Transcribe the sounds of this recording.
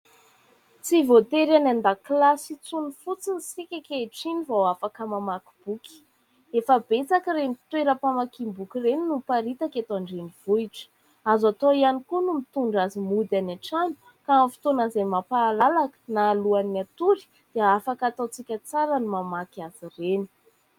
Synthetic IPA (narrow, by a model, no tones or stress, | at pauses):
t͡sivot̪eɾanand̪aklasit͡sunifut͡sinisikʲakʲeʈ͡ʂinivowafakəmamaku̥b̥uki̥ | efəbet͡sakəremit̪weɾəpamakimbukireninupaɾit̪akat̪oaɳɖ͡ʐeniv̥uiʈ͡ʂə̥ | azat̪oianikunumit̪uɳɖ͡ʐazimud̪anaʈ͡ʂanu̥ | kaamfi̥t̪onazamapaːlalakə̥naːluanat̪uɾi̥ | d̪̥eafakat̪at͡sikʲət͡saɾənumamakaz̥ireni̥